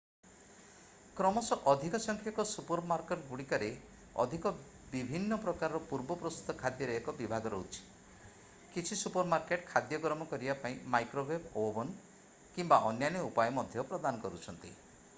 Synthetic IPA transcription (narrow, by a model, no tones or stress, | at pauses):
kɾɔmɔsɔʔɔd̪ʱikɔsɔŋkʰjakɔsupɔɾmaɾkeʈɡuɽikaɾe | ɔ̰d̪ʱikɔ | bibʱinːɔpɾɔkaɾɔɾɔpuɾbɔpɾɔst̪ut̪ɔkʰad̪jɔɾeɦekɔbibʱaɡɔɾɔɦut͡ʃʰi̥ | kit͡ʃʰisupɔɾmaɾkeʈkʰad̪jɔɡɾɔmɔkɔɾibapaĩmajkɾobebobɔn | kimbaʔɔnjanɔupajɔmɔd̪ʱjɔpɾɔd̪anɔkɔɾut͡ʃʰɔnt̪ḭ